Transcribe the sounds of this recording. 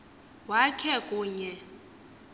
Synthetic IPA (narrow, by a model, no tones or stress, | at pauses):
wakʰɛkʼuːɲɛ